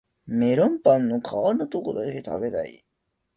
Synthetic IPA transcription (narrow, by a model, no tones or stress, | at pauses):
meɾõmpãnːokʰaaɾinot̪okod̪ake̞t̪ʰa̰be̞t̪a̰ḭ